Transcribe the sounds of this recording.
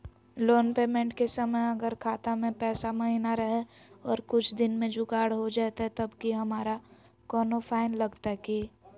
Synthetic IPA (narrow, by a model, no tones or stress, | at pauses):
loːnpeːmẽɳʈkesəməjɐɡəɾkʰaːt̪amẽpɛːsamɐɦinaɾɐɦeɔːɾkʊt͡ʃʰd̪ɪnmẽd͡ʒʊɡaːɽɦod͡ʒaːt̪aɦɛt̪ɐbkiɦɐmaːɾa | kɔːnofʰaːɪnlɐɡt̪aɦɛkiː